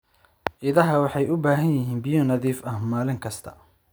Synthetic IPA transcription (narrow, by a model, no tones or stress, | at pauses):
ʔɪðɐɦɐwɑħɑjʊbaːɦɐnjɪɦiːnbɪjɔnɐðiːfɐhmaːlɪŋkʰɐst̪ʰɐ̥̰